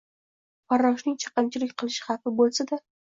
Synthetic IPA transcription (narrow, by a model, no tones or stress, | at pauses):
paɾɒʃnɪŋt͡ʃʰɑ̥qəmt͡ʃʰɪlɪk̚ʲqʰɨlˠɪʃχɑfɪbolˠsad̪a